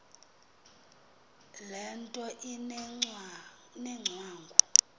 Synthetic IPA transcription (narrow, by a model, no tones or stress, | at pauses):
lɛntʼɔʔi | nɛŋ͡ǀʱwaːŋɡʱu